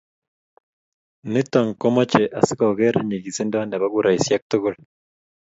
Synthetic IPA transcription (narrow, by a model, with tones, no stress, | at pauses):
ne˦t̪a˨ŋkɔ˦ma˦t͡ʃe˨ʔa˨si˦ka˨ɡe˦ɾe˦ɲe˨ɡi˨se˦nda˦wa˦nda˨βa˦ɡu˦ɾʔa˨i˨sja˦k̚t̪o˦ɡo˦l